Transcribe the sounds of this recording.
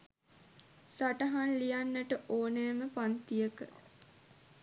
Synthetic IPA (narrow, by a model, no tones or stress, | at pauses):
saʈəɦanlijanːəʈəʔoːnɛːməpant̪ijəkə̰